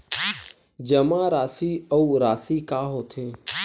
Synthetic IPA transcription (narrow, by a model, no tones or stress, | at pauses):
d͡ʒəmãːɾaːsiːəuːɾaːsiːkaːɦoːt̪ʰeː